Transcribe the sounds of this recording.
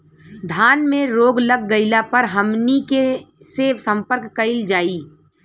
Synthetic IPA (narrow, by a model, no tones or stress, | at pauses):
d̪ʱaːnmẽɾoːɡləɡ̚ːəɪlapəɾɦəmnike | seːsə̃mpəɾkːəɪld͡ʒaːiː